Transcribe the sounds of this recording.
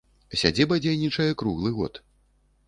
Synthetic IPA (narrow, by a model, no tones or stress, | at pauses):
sʲad͡zʲibɐd͡zʲejnʲit͡ʂɐjɛkɾuɣlˠɨɣɔ̰t̪